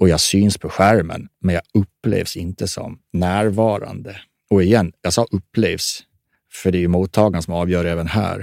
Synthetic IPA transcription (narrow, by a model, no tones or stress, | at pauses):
ʔɔjɑːɡsyːnspʰɔɧæɾmə̰nmɛnjɑːɵpːlḛːvsɪnt̪əsɔ̰mnæːɾvɑːɾa̰nd̪ə | ɔɛjɛnːjɑːsɑːʔɵpːleːvs | fœɖɛjɵmuːt̪ʰːɑːɡansɔmɑːvjœːɾɛːvənhæ̰ːɾ